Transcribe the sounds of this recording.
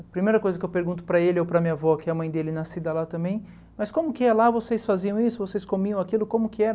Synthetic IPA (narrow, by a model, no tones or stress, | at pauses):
pɾimejɾɐkojzɐkɪewpeɾɡũnt̪ʊ̥pɾɐelɪowpɾɐmiɲavɔɐkɪɐmɐ̃j̃d̪elɪnasid̪ɐlat̪ɐ̃mbẽj̃ | mɐskõmʊkɪɛlavosesfaziɐ̃w̃isʊvosejskomiɐ̃w̃akilʊkõmʊkɪɛ